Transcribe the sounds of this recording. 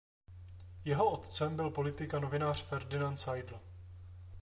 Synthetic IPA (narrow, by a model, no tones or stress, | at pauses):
jɛɦo̞ʔot̪t͡sɛmbɪlpo̞lɪt̪ɪkanovɪnaːr̥fɛɾdɪnant̪sajdl̩